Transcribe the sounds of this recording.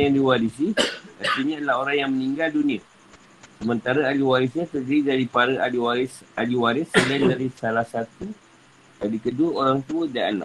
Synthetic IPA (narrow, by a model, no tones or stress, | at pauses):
jaŋdiwadis̬iərt̪iɲaadəlaɦoɾaŋjaŋməniŋɡaldunĩə | səmənt̪aɾaaliwaɾɪsɲat̪ərd͡ʒaidaɾipaɾəʔaliwaɾɪsaliwaɾɪsːəlandaɾisalahsat̪u | dadikəduəoɾaŋt̪uədaa̰na̰